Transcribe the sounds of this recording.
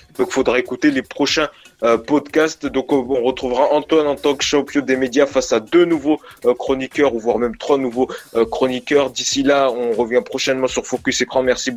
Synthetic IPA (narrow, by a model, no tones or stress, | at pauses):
d̪ɔ̃kfod̪ʁaekut̪elepχɔʃɛ̃ | pɔd̪kast̪d̪ɔ̃kɔ̃ʁət̪χuvʁaʔɑ̃t̪wanɑ̃t̪ɑ̃kʃɑ̃pjɔ̃d̪emed̪jafasad̪ønuvokχɔnikʲœʁuvwaʁmɛmt̪χwanuvokχɔnikʲœʁd̪isilaɔ̃ʁəvjɛ̃pχɔʃɛnmɑ̃syʁfokʲysekχɑ̃mɛʁsib